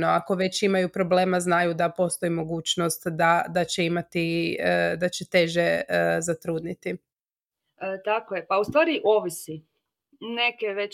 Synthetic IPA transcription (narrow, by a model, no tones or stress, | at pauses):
noako̞ʋe̞t͡ɕimajupɾo̞ble̞ːmaznajud̪apo̞st̪o̞imo̞ɡuːt͡ɕno̞st̪d̪ad̪at͡ɕeimat̪i | d̪at͡ɕet̪e̞ʒezat̪ɾuːd̪nit̪i | t̪akojepaust̪ʋaːɾiʔoʋisi | nekeʋe